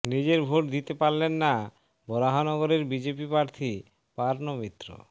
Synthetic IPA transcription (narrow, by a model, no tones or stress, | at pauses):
nid͡ʑeɾbʱoʈ̚d̪it̪epaɾlenːa | bɔɾaɦanɔɡoɾeɾbid͡ʑepipɾaɾt̪ʰi | paɾnomit̪ːɾo̰